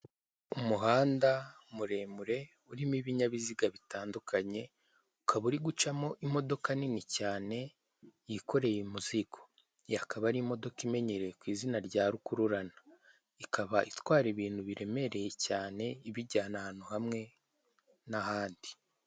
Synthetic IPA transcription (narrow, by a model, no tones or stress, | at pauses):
umuɦaːnda | muɾe̞muɾe̞ | uɾimiβiɲaβiziɡaβitaːndukʰaɲe̞ | ukʰaβuɾiɡut͡ʃamo̞ʔimo̞do̞kaninicaːne̞ | jiko̞ɾe̞jimuziɡo̞̥ | jakaβaɾimo̞do̞kime̞ɲeɾe̞kwiːzinaɾɟaːɾukuɾuɾana | ikʰaβaʔitwaːɾiβiːn̥huβiɾe̞me̞ɾe̞je̞caːne̞iβiɟaːnahaːnuhamŋe̞ | nahaːndi